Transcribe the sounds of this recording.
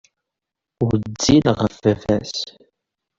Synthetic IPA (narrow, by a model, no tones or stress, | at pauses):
ʊɾd͡zːilʁəfæfæs